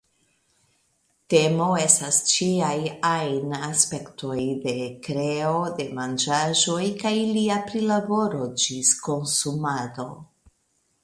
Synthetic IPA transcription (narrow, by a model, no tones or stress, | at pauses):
te̞mo̞e̞stast͡ʃiajajnaspe̞ktʰo̞jde̞kɾe̞ode̞mand͡ʒaʒo̞jkajliapɾilabo̞ɾo̞d͡ʒisko̞nsumado̞